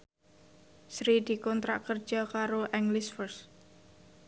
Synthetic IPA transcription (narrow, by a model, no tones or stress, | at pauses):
sɾid̪̥i̤kɔnt̪ɾaʔkər̥d͡ʒ̥akaɾoʔɛŋɡlɪsfərs